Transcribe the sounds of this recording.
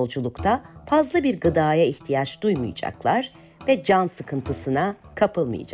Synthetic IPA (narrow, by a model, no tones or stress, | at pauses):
lˠd͡ʒulˠukt̪ʰafazlˠɯbiɾɡɯd̪aːjaiçt̪ʰijat͡ʃd̪ujmṵjɯd͡ʒa̰klˠaɾ̥ | vɛd͡ʒansɯkʰɯnt̪ʰɯsɯnakʰapɯlˠmɯ̰jɯ̰d͡ʒa